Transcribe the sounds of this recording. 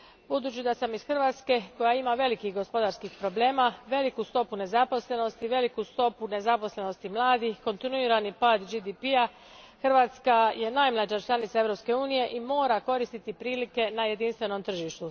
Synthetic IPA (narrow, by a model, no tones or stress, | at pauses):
bud̪uːt͡ɕid̪asamisxrʋaːt̪ske̞ko̞jaimaʋe̞likixɡo̞spo̞d̪aɾskixpɾo̞ble̞ːmaʋe̞likust̪o̞pune̞zapo̞sle̞no̞st̪iʋe̞likust̪o̞pune̞zapo̞sle̞no̞st̪imlˠaːd̪ixko̞nt̪inuiɾanipaːd̪d͡ʒid̪ipia | xr̩ʋat̪skaje̞najmlˠad͡ʒat͡ʃlˠanit̪sae̞ʋɾo̞pske̞uːnije̞ʔimo̞ːɾako̞ɾist̪it̪ipɾiːlike̞naje̞d̪inst̪ʋe̞no̞mt̪r̩ʒiʃt̪u